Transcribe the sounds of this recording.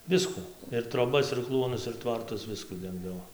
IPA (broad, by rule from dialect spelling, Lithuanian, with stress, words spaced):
ˈʋʲɪskuː ɪr troːˈbɐs ɪr ˈklˠuɔnʊs ɪr ˈtʋɐrtʊs ˈʋʲɪskuː ˈdʲɛŋɡdɐʋoː